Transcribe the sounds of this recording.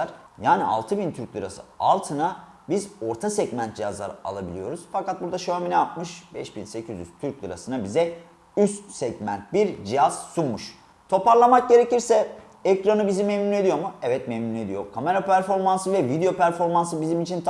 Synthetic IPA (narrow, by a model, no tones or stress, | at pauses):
aɾ | jaːnḭʔa̰lˠt̪ʰɯbint̪ʰyɾclʲˠɯɾa̰sɯ̰a̰lˠt̪ʰɯna | bizo̞ɾt̪ʰasɛɟmænt̪̚d͡ʒijazlˠa̰ɾa̰lˠabilʲijo̞ɾuz̥fakat̪̚buɾd̪aʃoaminɛap̚mɯʃbɛʃbinse̞cʰizy̰z̥t̪ʰyɾc̚lˠɯɾa̰sɯnabizɛ | yst̪sɛɟmæ̰nt̪̚biɾd͡ʒijaz̥sunmːuʃ | t̪ʰo̞paɾlˠamak̚ɟe̞ɾeciɾsɛ | ɛkɾanɯbizimemnune̞d̪ijo̞muɛvɛt̪mɛmnune̞d̪ijo̞̰kʰame̞ɾapʰæɾfo̞ɾmansɯvɛvid̪eo̞pæɾfo̞ɾmansɯbizimit͡ʃʰint̪ʰ